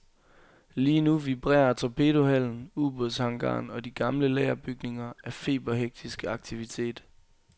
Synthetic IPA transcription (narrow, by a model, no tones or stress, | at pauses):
liːnuʋib̥ʁɛ̰ːɐt͡sʰopʰe̝ːɾohæl̰n̩ub̥oshɑ̈ŋɡ̥ɑ̰̈ːnɒ̽d̥iɡ̥ɑ̈mləlɛːɐb̥yɡ̥ne̝ŋɐæfe̝̰ːb̥ɐɦeɡ̥̚d̥isɡ̥əɑ̈ɡ̥t͡sʰiʋit͡sʰe̝̰ːd̥